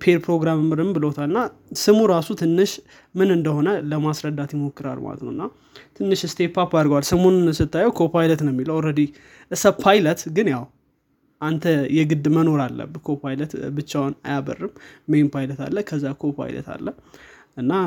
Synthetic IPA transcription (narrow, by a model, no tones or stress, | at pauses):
pʰeɾpʰɾo̞ɡɾamɨmːɨɾɨmbɨlowt̪ʰalɨnːasɨmuɾasut̪ʰɨnːɨʃ | mɨnɨnd̪əho̞nələmasɾəd̪ːat̪jɪmo̞kʼːɨɾa̰lma̰lə̰t̪nə̰wɨnːa | t̪ʰɨnːɨʃɨst̪ʰe̞papad̪ɨɾɡwalsəmo̞nnsɨt̪ːajːɛwkʰopajlət̪nəwɛmːiləwɾəd̪i | ʔɨsəpʰajlət̪ɡɨnjaw | ʔant̪ʰəjɛɡɨd̪məno̞ɾalːə̰bɨkʰopʰajlət̪bɨt͡ʃːawna̰jabə̰rːɨmmempʰajlət̪ʰa̰lːəkʰəzːakʰopʰa̰jlə̰t̪ʰa̰lːəh | ʔɨnːa